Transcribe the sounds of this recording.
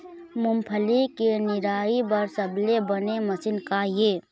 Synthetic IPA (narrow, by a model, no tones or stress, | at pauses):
mʊmpʰəlikenɪɾaːibəɾsəblebəneməsinkajeː